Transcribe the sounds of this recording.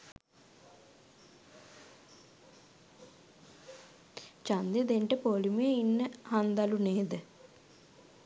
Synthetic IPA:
t͡ʃɐnd̪ed̪eɳʈepoːlimeːinːɨhɐnd̪ɐluneːd̪ɨ

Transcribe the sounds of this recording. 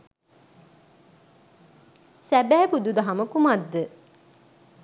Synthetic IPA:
sæbæːbud̪ud̪ɐɦaməkumad̪ːə

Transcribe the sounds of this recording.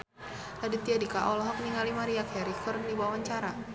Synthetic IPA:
ladit̪iadikaʔɔlɔɦɔk̚niŋalimaɾiakɛɾikɔrdiwawaɲt͡ʃaɾa

